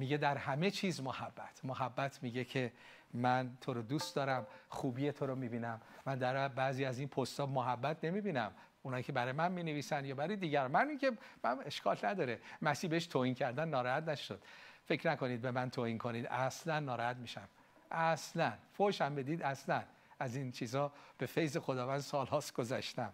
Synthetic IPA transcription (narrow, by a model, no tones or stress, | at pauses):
miɡe̞d̪æɾhæme̞t͡ʃʰiːzmohæbːæt̪ʰmoɦæbːæt̪ʰmiɟecʰe | mænt̪ʰoɾod̪uːst̪d̪ɒːɾæmxuːbiːje̞t̪ʰoɾomibiːnæmːænd̪æɾbæziːæziːnpʰost̪ɒːmoɦæbːæt̪ʰne̞miːbiːnæm | unhɒːjikʰe̞bæɾɒːjemænmineviːsænjɒːbæɾɔjed̪iːɟæɾmæniːncʰʲe̞mæmeʃkʰɒlnæd̪ɒːɾemæsiːbeeʃt̪ʰoːhiːncʰæɾd̪ænːɒːɾɒhæt̪næʃod̪̥fe̞cʰnæko̞nid̪̚be̞mænt̪ʰoːhinkʰo̞niːd̪æslænːɒːɾɒhæt̪miːʃæm | ʔæslænfoʃæmbe̞d̪iːd̪æslæn | æzint͡ʃʰiːzɒːb̥e̞fe̞jze̞xod̪ɒːvænd̪̥sɒːlhɒːsɡ̥ozæʃt̪æm